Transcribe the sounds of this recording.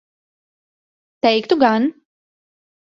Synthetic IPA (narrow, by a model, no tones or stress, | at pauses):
t̪ɛjkt̪uɡan